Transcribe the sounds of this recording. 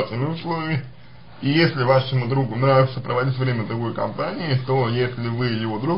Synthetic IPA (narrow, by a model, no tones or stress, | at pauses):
t̪nəmʲɪʊslˠovʲəmʲɪ | ijesʲlʲɪvaʂəmʊd̪ɾuɡʊnɾavʲʊsəpɾəvɐdʲitʲvɾʲemʲəd̪ɾʊɡo̞jkɐ̰mpanʲɪɪt̪o̞jesʲlʲɪvɨjɪvo̞d̪ɾu